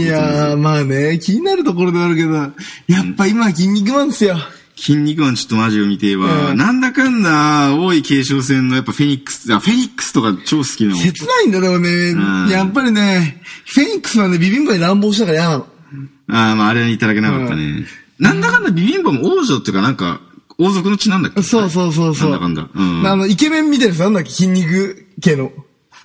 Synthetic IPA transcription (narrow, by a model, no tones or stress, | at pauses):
jamaːne̞kʲiɲ̟inaɾɯ̟t̪o̞ko̞ɾo̞d̪eaɾɯ̟ke̞d̪ojapːaimak̬ʲĩɲ̟ːik̬ɯ̟mãnsɨjo | kʲʰĩɲ̟ːikɯmãɲt͡ɕo̞̥t̪ːomaʑiomʲit̪e̞βanãnd̪akãnd̪aoːikʰe̞ːɕo̞ːs̬ẽ̞nːo̞japːaɸe̞ɲ̟ikːɯ̥sɨ̥aɸe̞ɲ̟ikːɯ̥sɨ̥t̪o̞kat͡ɕo̞ːsɨ̥kʲinoset͡sɨnaĩnd̪aɾoone̞ajapːaɾʲine̞ɸe̞ɲ̟ikːɯɨ̥sɨβane̞bʲibʲĩmboɲeɾãmbo̞ːɕinakaɾajanano | aːmaːɾeɲit̪ad̪ake̞naka̰t̪ːa̰nḛnãnd̪akãnd̪abʲibʲĩmbomooːʑoːt̪eɯ̟kanãŋka̰oːzo̞k̬ɯ̟no̞t͡ɕinãnd̪akʲːeso̞ːs̬o̞ːs̬oːsãoːd̪akãnd̪a̰ɯ̃ːmːno̞ike̞mẽ̞mːʲit̪̬eɾɯs̬nãnd̪akːekʲĩɲʲːik̬ɯ̟ke̞d̪o